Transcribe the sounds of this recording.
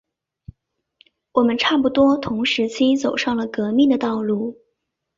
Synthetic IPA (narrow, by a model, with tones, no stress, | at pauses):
wɔ˨˩mə˦nʈ͡ʂʰa˥˩p̬u˨˩t̪wɔ˥t̪ʰʊ˧˥ŋʂɻ̩˧˥t͡ɕʰi˥t͡so˨˩ʊʂɑ˥˩ŋlə˩kɤ˧˥mi˥˩ŋd̪ə˩t̪ɑ˥˧ʊlu˥˩